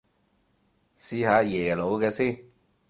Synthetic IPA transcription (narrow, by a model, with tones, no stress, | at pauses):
siː˧haː˨˧˥jɛː˨˩lo˨˧˥wkɛː˧siː˥˩n